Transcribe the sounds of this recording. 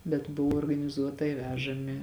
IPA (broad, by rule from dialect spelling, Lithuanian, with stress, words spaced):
bʲɛt ˈbʊʋoː oːrɡɐnʲɪˈzuɔtɐɪ ˈʋʲæːʒɐmʲɪ